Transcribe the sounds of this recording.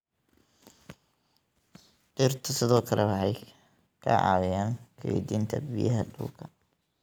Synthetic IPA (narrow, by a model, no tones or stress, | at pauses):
tɪrt̪ʰɐsɪðɔːkʰɐlɛwɑħɑj | kʰɐ̰ʕɑ̰ːwɪjaːŋkʰɐwḭd̪iːnt̪ʰɐbijɐɦɐɖṵːkʰɐ̥